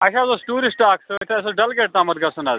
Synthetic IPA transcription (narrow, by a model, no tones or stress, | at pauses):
ɐʃãːzoːsʈuːɾisʈaːksɐt̪ʰeɐs̬oɖɐlɡeːʈ̚t̪aːmɐt̪̚ɡɐsunaːz